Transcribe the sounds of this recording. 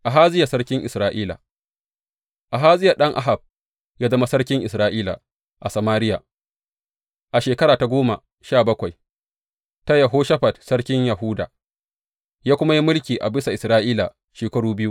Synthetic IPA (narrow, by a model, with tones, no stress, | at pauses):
ʔa˨ɦaː˦zɪ˦ja˨sɐ˦ɽkʲɪ˦ŋʔɪ̰˨sɾaː˦ʔiː˦la̰˨ | ʔa˨ɦaː˦zɪ˦ja˨ɗɐ˦ŋʔa̰˦ɦa˨b̚ | jaː˦zɐ˦ma˦sɐ˦ɽkʲɪ˦ŋʔɪ˨sɾaː˦ʔiː˦la̰˨ | ʔa˨sɐ˨maː˦ɾɪ˦ja̰ː˨ | ʔa˨ʃeː˨kɐ˦ɾaː˨ta˨ɡʷoː˦ma̰˨ | ʃaː˦˨bɐ˦kʷa˨j | ta˦ja˨ɦoː˦ʃɐ˦ɸa˨dsɐ˦ɽkʲɪ˦ɲjɐ˨ɦʊ˦da̰ː˨ | jaː˦kʷʊ˦ma˦ji˦mʊ˦lkʲiː˨ʔa˨bɪ˦sa˨ʔɪ˨sɾaː˦ʔiː˦la˨ | ʃeː˨kɐ˦ɽuː˦bɪ˦ju˦